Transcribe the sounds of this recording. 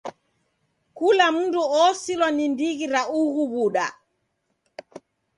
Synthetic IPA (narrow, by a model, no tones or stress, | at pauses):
kulam̩nduɔsilwanindiɣiɾauɣuβuɗa̰